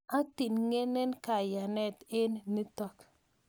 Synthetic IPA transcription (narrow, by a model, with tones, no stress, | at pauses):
a˦ti˨nŋe˦nɛ˦nka˨ja˨nɛ˦tɪ˦nːi˦tɔ˦k